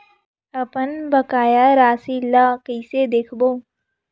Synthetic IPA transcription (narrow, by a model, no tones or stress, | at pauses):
ɐpənbɐkaːjaɾaːsiːlaːkəsed̪eːkʰboː